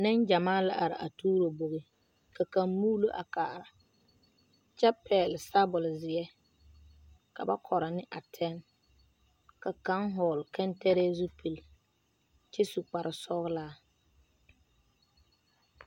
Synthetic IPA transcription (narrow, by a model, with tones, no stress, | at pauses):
nɪ˦nd͡ʒa˨maː˦la̰˨ʔa˨ɾɪ̰˨ʔa̰˨tuː˦ɾo˨bo˨ɣɪ˦ | ka˨ka˨mmuː˦lo˦ʔa̰˨kaː˨ɾa˨ | t͡ʃɛ˦pɛː˨lɪ˨sa˦bʊ˨lzɪ˨ɛ˦ | ka̰˨ba˦kʰɔ˨ɾa˨nɪ˦ʔa˨tʰɛ˦n | ka˨ka˦ŋɦɔː˨lkɛ˦ntɛ˦ɾɛː˦zu˦pi˨l | t͡ʃɛ˦su˨k͡pa˨ɾɪ˨sɔ˦ɣlaː˦